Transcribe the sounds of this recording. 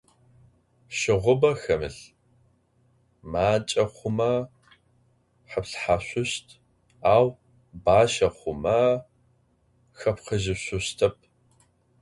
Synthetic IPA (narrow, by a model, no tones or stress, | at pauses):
ʃɪʁʷʊbɐxɐmɨ̰ɬ | maːt͡ʃʼɐχʷʊmɐ | ħəpɬħaːɕʷʊɕtʰ | aːw | baːʃɐχʷʊmɐ | xɐpqəʒɪɕʷʊɕtʰɐp̚ʰ